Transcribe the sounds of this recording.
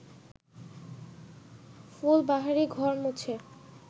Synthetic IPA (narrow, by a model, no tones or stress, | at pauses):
fulbaɦaɾiɡʱɔɾmut͡ɕʰe